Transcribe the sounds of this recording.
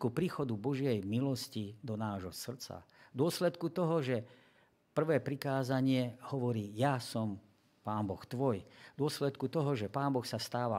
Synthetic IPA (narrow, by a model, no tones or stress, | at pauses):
kupɾiːxɔd̪ubɔʒɪɛjmilɔscid̪ɔnaːʒɦɔsr̩t͡sa̰d̪ʊɔslɛt̪kut̪ɔɦɔʒɛ | pr̩ʋɛːpɾikaːzaɲɪɛhɔʋɔɾiːjasɔm | paːmbɔxt̪ʋɔjd̪ʊɔslɛt̪kut̪ɔɦɔʒɛpaːnbɔxsast̪aːʋa